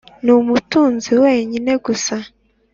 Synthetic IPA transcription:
numutuːnziweːɲine̞ɡusa

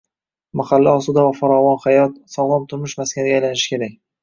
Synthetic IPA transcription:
maχalːaɒsʊd̪avafaɾɒvɒnχajɒt̪̚sɒʁlˠɒmt̪ʰʊɾmɪʃmaskʲanɪɡʲajlanɪʃɪ̥kʲʰe̞ɾak̚ʲ

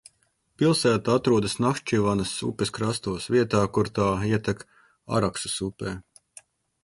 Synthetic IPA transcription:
pilˠsæːt̪aat̪ɾuɔd̪ɐsnakʃt͡ʃivanɐsṵpʲeskɾast̪uɔsviɛt̪aːkuɾt̪aːiɛt̪ɛk | a̰ɾaksu̥supʲɛː

